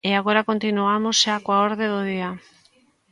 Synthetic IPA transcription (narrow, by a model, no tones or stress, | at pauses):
eaɣ̞o̞ɾako̞nt̪inuamoseakwaoɾðeðoðia